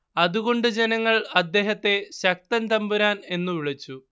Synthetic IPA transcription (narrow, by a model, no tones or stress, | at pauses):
ɐðuɣo̞ɳɖɨd͡ʑe̞nɐŋːɐɭɐd̪ːe̞ːɦɐt̪ːe̞ɕɐk̚t̪ɐnt̪ɐmbuɾaːne̞nːuʋiɭit͡ɕːu